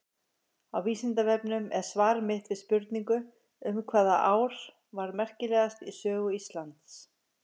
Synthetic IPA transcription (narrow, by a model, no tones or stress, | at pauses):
awviːsɪnt̪avɛpnʏmɛðsvaːɾmɪht̪vɪðspʏɾt̪niŋkʏ | ʏmkʰvaːðaʔaːwɾ̥ | vaɾmɛr̥cɪlɛːɣast̪isœːɣʏist̪lant̪s